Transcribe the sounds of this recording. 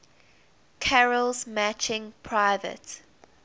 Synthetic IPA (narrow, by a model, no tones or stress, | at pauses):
kʰaɹəlzmæt͡ʃɪ̃ŋpʰɹaɪvə̰t